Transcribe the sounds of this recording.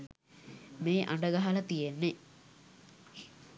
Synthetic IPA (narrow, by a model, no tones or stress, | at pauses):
meːʔa̰ɳɖəɡɐɦalət̪ijenːe